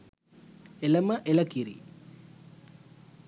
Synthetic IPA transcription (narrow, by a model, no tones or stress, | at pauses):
elɐmɐʔelɐkiɾḭ